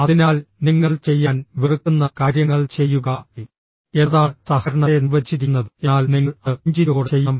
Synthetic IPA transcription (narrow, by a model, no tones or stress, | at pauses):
ɐðinaːlniŋːɐɭt͡ɕe̞jːaːnʋirɨkːunːɐkaːɾjɐŋːɐɭt͡ɕe̞jːuɣɐ | e̞ðaːɭsɐhɐɾɐɳɐniʋɐd͡ʑːiɾikːnːɐðɨenaːlniŋːɐɭɲd͡ʑiɾoːɽt͡ɕe̞jːɐm